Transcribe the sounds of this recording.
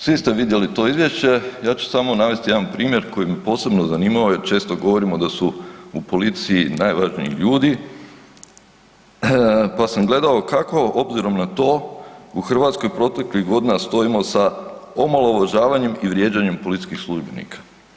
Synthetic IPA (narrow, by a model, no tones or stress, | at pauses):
sʋist̪e̞ʋid̪je̞lit̪o̞ːizʋje̞ʃt͡ɕe̞jaːt͡ʃu̥samonaʋe̞st̪ije̞d̪anpɾiːmje̞ɾko̞jimepo̞ːse̞bno̞zaniːmaʋoje̞ɾt͡ʃe̞ːst̪o̞ɡo̞ʋo̞ɾimo̞d̪asuupo̞lit̪sijinajʋaʒnḭḭʎuːd̪i | pasamɡle̞d̪aokako̞obziɾo̞mnat̪o̞ːuxr̩ʋat̪sko̞jpɾo̞t̪e̞kliɣɡo̞d̪inast̪o̞imo̞saomalˠoʋaʒaːʋaɲe̞miʋɾje̞d͡ʑaɲe̞mpo̞lit̪i̥skixslˠuʒbenḭkʰḁ